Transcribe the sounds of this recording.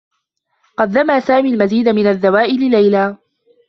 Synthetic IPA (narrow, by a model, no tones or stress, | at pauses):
qɑd̪ːamaːsaːmiːlmaziːd̪amɪnaðːawaːʔɪlɪlajlaː